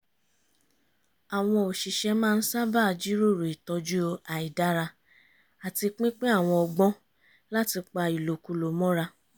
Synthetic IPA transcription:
a˨w̃ɔ̃˧o˨ʃi˨ʃɛ˧mãː˦˧n̩˦sa˦ba˦˧˨d͡ʒi˦ɾo˦˨ɾe˨i˨tɔ˧d͡ʒu˦o˧a˨i˨da˦ɾa˧ | a˨ti˧k͡pĩ˦k͡pe˦a˦˨w̃ɔ̃˧ɔ˧ɡ͡bɔ̃˦ | la˦ti˧k͡pa˧i˨lo˨ku˧lo˨mɔ̃˦ɾa˧

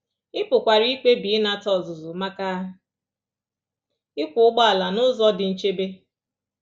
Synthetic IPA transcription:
ɪ˦pʊ˨kʷa˨ɾi˦ke˦bi˨i˦na˨tɔ˨zʊ˨zʊ˨ma˦ka˦ | ɪ˦kʷʊ˨ʊ˦ɡ͡bɔ˦a˨la˨nʊ˦zɔ˦dɪ˨n̩˦t͡ʃe˦be˦

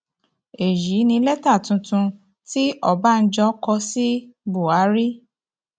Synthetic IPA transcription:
e˨ji˨˦nĩ˧lɛ˦ta˦˨tũ˧tũ˧ | ti˦ʔɔ˨ba˦˧n̩˦d͡ʒɔ˧˦kɔ˧si˦bu˨a˨˦ɾi˦

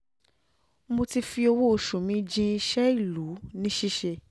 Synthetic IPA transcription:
mo˧ti˧fi˧o˧wo˦o˧˨ʃũ˨mĩ˨˦d͡ʒĩ˧i˧ʃɛ˦i˦˨lu˨˦nĩ˦ʃi˦ʃɛ˧

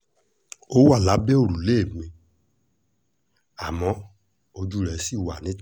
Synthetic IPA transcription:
o˦wa˦˨la˨˦be˦o˦˨ɾu˨le˦˨me˧ | a˨mɔ̃˨˦ | o˧d͡ʒu˦˨ɾɛ˨˦si˦˨wa˨nĩ˨˦

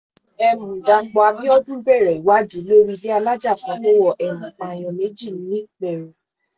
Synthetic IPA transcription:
ɛ˧mũ˨da˨˧˦k͡pɔ˧a˧bĩ˦ɔ˦dũ˦bɛ˦˨ɾɛ˨i˨wa˦di˨˦lo˦ɾi˧le˦a˧la˦d͡ʒa˦˨fɔ̃˨˦k͡po˦wɔ˦˨ʔɛ˨nĩ˨a˨j̃ɔ̃˨nẽ˨˦d͡ʒi˦˨nĩ˨˦nĩ˦k͡pɛ˨ɾu˨

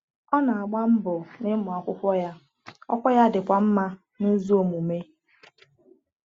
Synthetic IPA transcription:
ɔ˦na˨a˨ɡ͡ba˦m̩˦bʊ˨nɪ˦mʊ˨a˨kʷʊ˦kʷɔ˦ja˦ | ɔ̰˦kʷɔ˦ja˦dɪ˨kʷa˨m̩˦ma˦ | nʊ˦zu˦o˨mu˨me˦

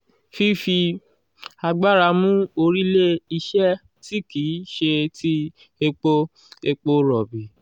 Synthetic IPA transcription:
fi˦fi˧ | a˧ɡ͡ba˦˨ɾa˧mũ˦o˧ɾi˦le˦i˧ʃɛ˦ | ti˦kiː˨˦ʃe˧ti˦ | e˧k͡po˧ | e˧k͡po˧ɾɔ˨bi˨

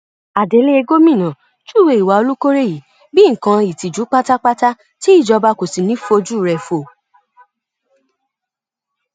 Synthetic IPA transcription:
a˨de˨˧˦le˦e˧ɡo˦mĩ˦˨nã˨ | d͡ʒu˦˨we˧i˨wa˨˧o˧lu˦ko˦ɾe˦˨ji˨ | bi˦ŋ̩˨kã˧i˨ti˨d͡ʒu˨˦k͡pa˦ta˦k͡pa˦ta˦ | ti˦i˦˨d͡ʒɔ˧ba˧ko˨si˨nĩ˨˦fo˧d͡ʒu˦˨ɾɛ˧fo˨

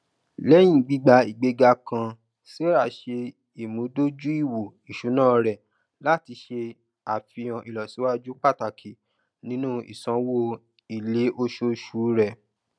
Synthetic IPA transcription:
lɛ˦j̃ĩ˦˨ɡ͡bi˨˦ɡ͡ba˧˦i˨ɡ͡be˨˧ɡa˧kã˧ | si˦ɾa˦˨ʃe˧ | i˨mũ˨˦do˦d͡ʒu˦i˦˨wo˨i˨ʃu˨˦nã˦˨˧ɾɛ˨ | la˦ti˧ʃe˧ | a˨fi˧j̃ã˨ʔi˨lɔ˨si˨˦wa˦d͡ʒu˦k͡pa˦˨ta˨kʰi˨ | nĩ˨˦nũ˦ḭ˨sã˨˦wo˦ | i˨le˨˦ʔo˧ʃo˧ʃuː˨˦ɾɛ˦˨

